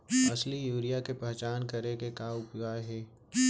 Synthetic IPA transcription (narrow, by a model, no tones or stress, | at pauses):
ɐslijuːɾijakepɛɦt͡ʃaːnkɐɾekekaːʊpɡaːɦɛː